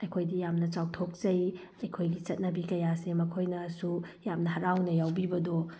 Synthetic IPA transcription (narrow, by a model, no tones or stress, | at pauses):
ɐjkʰojdijamnɐt͡ʃawtʰok̚t͡ʃɐj | ɐjkʰojɡit͡ʃɐt̚nɐbikɐjasemɐkʰojnɐsujamnɐhɐɾawnɐjawbibɐdo